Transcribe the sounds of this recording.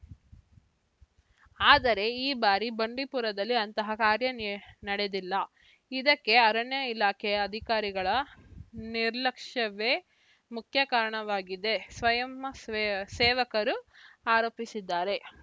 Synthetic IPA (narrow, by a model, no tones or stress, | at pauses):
aːd̪ɐɾe̞iːbaːɾibɐɳɖipuɾɐd̪ɐlːiɐnt̪ɐɦɐkaːɾjɐnnɐɽe̞d̪ilːɐ | id̪ɐkːe̞ɐɾɐɳjɐilaːkʰɛjɐɐd̪ʱikaːɾiɡɐɭɐ | niɾlɐkʂɐʋe̞ː | mukʰjɐkaːɾɐɳɐʋaːɡid̪e̞sʋɐjɐmɐsɛːʋɐkɐɾuaːɾoːpisid̪ːaːɾe̞